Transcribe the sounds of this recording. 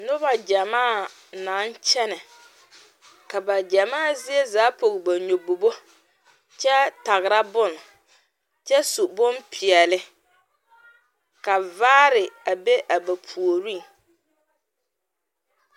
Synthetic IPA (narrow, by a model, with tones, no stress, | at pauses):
nʊ˦ba˨d͡ʒa˨maː˦˨ | na˨˦nt͡ʃɛ˦nɛ˨ | ka˨ba˨d͡ʒa˨maː˦˨zɪ˦ɛ˦zaː˨˦po˨ɣɪ˨ba˨ɲo˨bo˨bo˦ | t͡ʃɛ˦ta˨ɣɪ˨ɾa˦bʊ˦n˨ | t͡ʃɛ˦su˨bʊ˦npʰɪ˨ɛ˨lɪ˦ | ka˨vaː˦ɾɪ˨a˨be˦ʔa˨ba˨pʰu˨o˨ɾi˦˨ŋ